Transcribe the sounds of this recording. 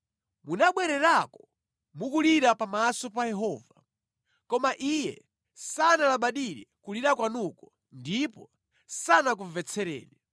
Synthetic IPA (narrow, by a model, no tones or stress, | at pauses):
munaɓwɛɾɛɾakɔ̥ | mukuliɾapamasɔpajɛɦɔːva | kɔmaʔijɛ̰ | sanalaɓaɗiɾɛkuliɾakwanukɔ | ndipɔ | sanak̬uvɛt͡sʰɛɾɛ̰ːɗɛ